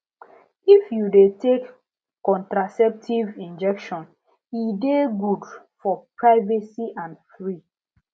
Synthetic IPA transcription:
ifjudetekː | ɔ̃ntɹasɛp̚tʰivĩnd͡ʒɛkʃɔ̃n | ideɡud | fɔpɹaɪvɛsiʔãnfɹi

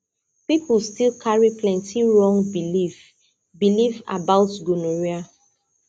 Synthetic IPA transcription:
pipulstilkʰaɹiplɛ̃ntiɹɔ̃ŋɡbilif | biliva̰baʊtɡunoɹia

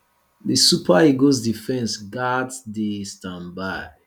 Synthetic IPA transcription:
disupʰaiɡosdifɛ̃nsɡatsdestãmbaɪ

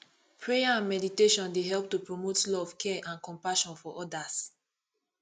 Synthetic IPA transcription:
pʰɹejaãnmɛditeʃɔ̃ndeɦɛlp̚tupɹomotlɔv̥kʰɛʔãnkɔ̃mpaʃɔ̃nfɔʔɔdas

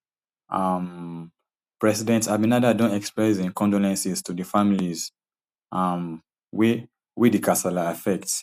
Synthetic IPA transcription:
ʔam | pɹɛsidɛ̃ntabinadadõntɛkspɹɛzĩnkʰɔ̃ndolɛ̃nsiz̥tudəfamiliz | am | w | widikʰasalaːfɛk̚ts

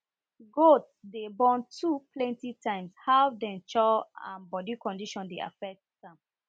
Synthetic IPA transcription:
ɡotsdebɔ̃ntʰuplɛ̃ntitʰãɪ̃mshawdɛ̃nt͡ʃɔã̰nbɔdikɔ̃ndiʃɔ̃ndea̰fɛk̚tsãm

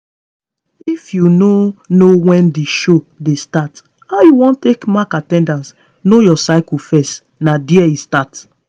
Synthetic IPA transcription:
ifjunonowɛ̃ndeʃo | destat | haʊjuwɔ̃ntekmakatɛ̃ndãns | nojɔsaɪkufɛst | nadiɛistat

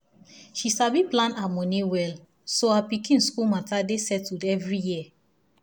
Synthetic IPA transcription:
ʃisabiplãnamɔ̃niwɛl | soapikĩnskulmatadesɛtudɛvɹijiə

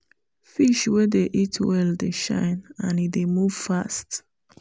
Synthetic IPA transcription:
fiʃwɛdeʔitʰwɛldeʃã̰ɪ̃nãnidemuv̥fast

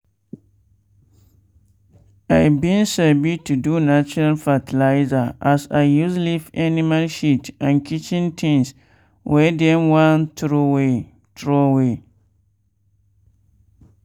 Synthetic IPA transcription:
ajbĩnsɛbitʰudunat͡ʃɔɾalfatʰilaɪzaʔasaɪjuslifanĩmalʃitãnkʰit͡ʃĩntʰĩŋs | wʔɛdɛ̃mwãntʰɾowe | tʰɹowe

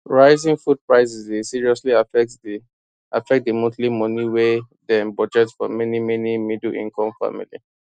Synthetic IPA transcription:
ɹaɪzĩŋfud̚pɹaɪsɛsdesiɹiɔsliafɛ | ʔa̰fɛk̚t̚demotlimɔniwe | dɛ̃nbɔd͡ʒɛtsfɔ̰mɛnimɛnimidlʔḭ̃ŋkʰɔ̃mfa̰mḭlḭ

